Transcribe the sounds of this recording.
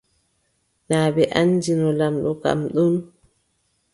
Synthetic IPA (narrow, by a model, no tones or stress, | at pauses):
naːbɛʔand͡ʒinɔlamɗɔka̰mɗum